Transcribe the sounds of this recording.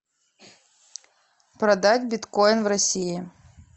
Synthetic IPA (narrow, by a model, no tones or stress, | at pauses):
pɾɐd̪atʲbʲɪt̪kojnvrɐsʲijɪ